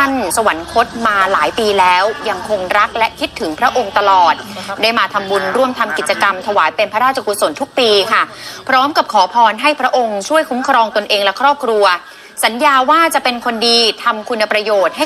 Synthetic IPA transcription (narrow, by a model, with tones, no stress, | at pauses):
a˥˩nsa˧wa˩˦nkʰo˦˥t̪̚maː˧laː˩˦jpiː˧lɛː˦˥wja˧ŋkʰo˧ŋɾa˦˥k̚lɛ˦˥ʔkʰi˦˥t̪ʰːɯ˩˦ŋpʰɾa˦˥ʔo˧ŋt̪a˧lɔː˨˩t̪̚daː˥˩jmaː˧t̪ʰa˧mbu˧nɾu˥˩əmt̪ʰa˧mki˨˩t̪̚t͡ɕa˧ka˧mt̪ʰa˧waː˩˦jpe˧npʰa˦ɾaː˥˩t̚t͡ɕʰa˧ku˧t̪so˩˦nt̪ʰu˦˥k̚piː˧kʰa˥˩pʰɾɔː˦˥mka˨˩p̚kʰɔː˩˦pʰɔː˧nɦa˥˩jpʰɾa˦˥ʔo˧ŋt͡ɕʰu˥˩əjkʰu˦˥mkʰɾɔː˧ŋt̪o˧nʔeː˧ŋlɛ˦˥kʰɾɔː˥˩p̚kʰɾu˧ɐ | sa˩˦njaː˧waː˥˩t͡ɕa˨˩ʔpe˧nkʰo˧ndiː˧t̪ʰa˧mkʰu˧nːa˧pɾa˧joː˨˩t̪̚ha˥˩j